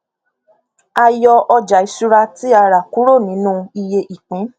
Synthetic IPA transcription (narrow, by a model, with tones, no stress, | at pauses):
a˧jɔ˧ʔɔ˧d͡ʒa˨i˨˦su˧ɾa˧ti˦a˧ɾa˨ku˨˦ɾo˦˨nĩ˨˦nũ˦i˧je˧ʔi˨k͡pĩ˨˦